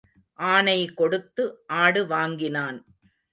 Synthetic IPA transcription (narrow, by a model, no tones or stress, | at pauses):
ʔaːnɐɪkɔɽɯt̪ːɯʔaːɽɯʋaːŋɡɪnaːn